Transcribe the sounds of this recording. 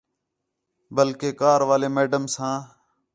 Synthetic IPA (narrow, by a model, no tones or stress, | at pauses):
bəlkeːkaːɾʋaːleːmeːɖəmsãː